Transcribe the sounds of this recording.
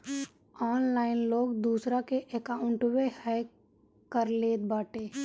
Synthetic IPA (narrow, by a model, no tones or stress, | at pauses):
ɔːnlaːɪnloːɡd̪uːsɾakeʔeːkaʊ̃ɳʈwehɛ | kəɾleːt̪̚baːʈeː